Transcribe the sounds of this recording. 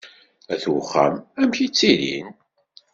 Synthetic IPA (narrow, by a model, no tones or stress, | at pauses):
æθwχːæ̰mæmçit͡sːiɾḭn